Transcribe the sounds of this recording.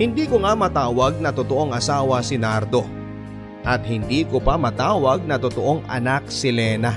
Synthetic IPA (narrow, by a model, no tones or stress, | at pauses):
hɪnd̪iːkoŋamɐt̪aːwɐɡ̚nɐt̪ot̪oʔo̞ŋʔɐsaːwɐsɪnaɾd̪o̞ | ʔɐt̪̚hɪnd̪iːkopamɐt̪aːwɐɡ̚nɐt̪ot̪oʔo̞ŋɐ̰nak̚sɪlɛːna